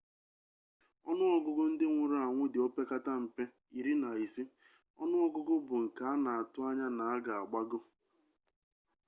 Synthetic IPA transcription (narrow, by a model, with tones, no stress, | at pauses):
ɔ˦nʊ˦ɔ˦ɡʊ˦ɡʊ˦n̩˦dɪ˦ŋʷʊ˨ɾʊ˦a˨ŋʷʊ˦dɪ˨o˦pe˦ka˦ta˦m̩˨pe˦ | i˨ɾi˦na˨i˨si˦ | ɔ̰˦nʊ˦ɔ˦ɡʊ˦ɡʊ˦bʊ˨ŋ̩˨ka˨˦a˦na˨a˨tʊ˦a˦ɲa˦na˨a˦ɡa˨a˨ɡ͡ba˦ɡʊ˦